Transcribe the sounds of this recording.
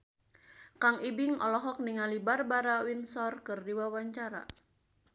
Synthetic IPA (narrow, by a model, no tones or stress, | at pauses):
kaŋibɪŋɔ̰lɔɦɔk̚niŋalibarbaɾawinsɔrkɨrdiwawaɲt͡ʃaɾa̰